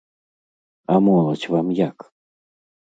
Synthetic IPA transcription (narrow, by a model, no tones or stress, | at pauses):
amɔlˠɐt͡sʲvamjak